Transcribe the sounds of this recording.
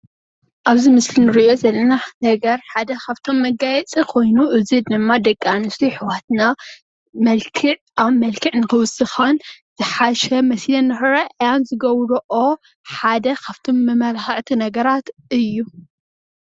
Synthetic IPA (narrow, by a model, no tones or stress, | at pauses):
ʔaβzimɨslinɨɾiʔjo̞zɐlːɐnanɐɡɐɾħad̪ɐkʰaβt̪ʰo̞mːɐɡajɛt͡sʼikʰo̞jnuʔɨzid̪ɨmːad̪ɐkʼːanɨsliħɨwat̪na | mɐlkʰɨʕ | aβmɐlkʰɨʕnɨxɨwɨsʼɨxɐnzɨħaʃɛmɐsilɐnːɨħɨɾɐʔjanzɨɡɐwɾʔo | ħad̪ɐkʰaβt̪ʰo̞mːɐmɐlxɐʕt̪ʰinɐɡɐɾat̪ɨjːu